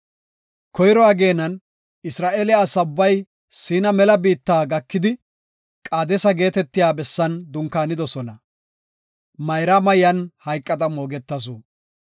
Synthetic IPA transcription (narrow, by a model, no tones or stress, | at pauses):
kʰɔjɾɔaɡe̞ːnɐn | ɪsɾaːʔeːlɪaːsɐʊbːɐj | siːnɐmɛlɐbiːt̪ːaːɡɐkːɪd̪ɪ | kʼaːd̪ɛsɐɡe̞ːt̪ɛt̪ːɪjaːbɛsːɐnd̪ʊŋkaːnɪd̪ɔsɔnɐ | mɐjɾamɐjɐnhɐjkʼːɐd̪ɐmoːɡɛt̪ːɐs̬u